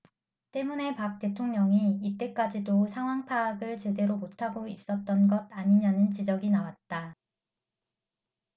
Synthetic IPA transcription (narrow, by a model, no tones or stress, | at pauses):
t͈e̞mune̞pak̚t͈e̞tʰoŋɲʌŋiit͈e̞k͈ad͡ʑidosʰaŋɦwaŋpʰaːɡɯɭt͡ɕe̞de̞ɾomotʰaɡois͈ʌt̚t͈ʌnɡʌd̚aɲiɲanɯnt͡ɕid͡ʑʌɡinawat̚t͈a